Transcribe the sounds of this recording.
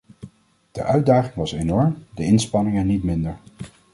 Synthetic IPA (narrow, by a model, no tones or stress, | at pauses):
d̥əʔœɥdaːχɪŋʋɑsenɔɹmdəɪnspɑnɪŋənitmɪndəɹ